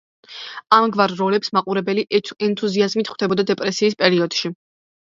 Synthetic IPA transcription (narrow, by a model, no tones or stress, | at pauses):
amɡvaɾːɔlɛpsmaqʼuɾɛbɛliɛnt̪ʼʰuziazmit̪ʰχwd̪̥ɛbɔd̪ad̪ɛpʼɾɛsiːs̬pʼɛɾiɔd̪̥ʃi